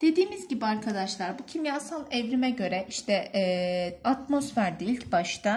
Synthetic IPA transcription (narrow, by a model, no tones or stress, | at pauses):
d̪̥e̞d̪iːmizɟibiaɾkʰad̪aʃlˠaɾbucʰimjaːsanɛvɾimɛɟø̞ɾɛʔiʃt̪ʰɛː | at̪mo̞sfæɾd̪iilʲcbaʃt̪a